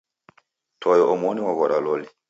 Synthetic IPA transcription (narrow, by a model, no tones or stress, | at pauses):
tʰɔjɔʔɔmoniwaɡɔɗalɔli